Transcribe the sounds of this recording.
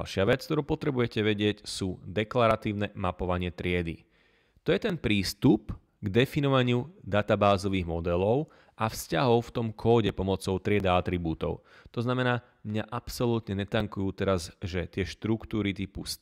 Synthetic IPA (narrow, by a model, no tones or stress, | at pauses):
lʃɪaʋɛt͡skt̪ɔɾuːpɔt̪ɾɛbujɛcɛʋɛɟɪɛcsuːd̪ɛklaɾat̪iːʊnɛmapɔʋaɲɪɛt̪ɾɪɛd̪ḭ | t̪ɔjɛt̪ɛnpɾiːst̪up | ɡd̪ɛfinɔʋaɲɪud̪at̪abaːzɔʋiːɣmɔd̪ɛlɔʊ | afscaɦɔʊft̪ɔmkʰɔːɟɛpɔmɔt͡sɔʊt̪ɾɪɛd̪aat̪ɾibuːt̪ɔ̰ʊ | t̪ɔznamɛnaː | mɲaʔapsɔlut̪ɲɛɲɛt̪aŋkujuːt̪ɛɾazʒɛt̪ɪɛʃt̪ɾukt̪uːɾit̪ipus